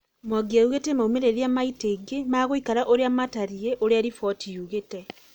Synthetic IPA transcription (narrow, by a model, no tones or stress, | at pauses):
mwaɡiauɣetemaumeɾeɾiamaiteɡemaːɣoikaɾaʔoɾeamataɾieʔoɾeaɾifɔtijuɣetɛ